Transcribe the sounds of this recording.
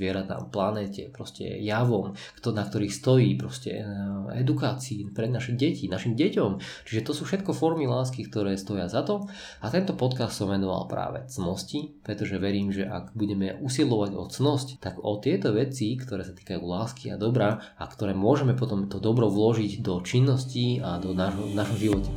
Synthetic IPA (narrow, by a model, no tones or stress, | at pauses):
ʋɪɛɾat̪a̰ːmplanɛːcɛ̰pɾɔscɛ̰jaʋɔmkt̪nak̚t̪ɔɾiːxst̪ɔjiːpɾɔscɛ̰ɛ̰d̪ukaːt͡siːpɾɛd̪naʃiɟɛcinaʃimɟɛcɔmt͡ʃiʒɛt̪ɔsuːfʃɛt̪kɔfɔɾmilaːskik̚t̪ɔɾɛːst̪ɔjɪazat̪ɔ | at̪ɛnt̪ɔpɔt̪kast̪sɔmʋɛnɔʋa̰lpɾa̰ːʋɛ̰t͡snɔscipɾɛt̪ɔʒɛʋɛɾiːmʒɛʔa̰ɡbuɟɛmɛʔusilɔʋaɟɔ̰t͡snɔsct̪aɡɔt̪ɪɛt̪ɔʋɛt͡sikt̪ɔɾɛːsat̪i̥ːkajuːlaːskia̰d̪ɔbɾa | akt̪ɔɾɛːmʊɔʒɛmɛpɔt̪ɔmt̪ɔd̪ɔbɾɔʋlɔʒiɟd̪ɔt͡ʃinːɔsciad̪ɔnaʒɦɔnaʒɦɔmʒiʋɔcɛ̥